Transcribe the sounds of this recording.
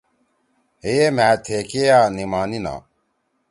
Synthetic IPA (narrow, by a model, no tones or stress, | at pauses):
ɦeemæːt̪ʰeːkejaːnimaːnina̰ː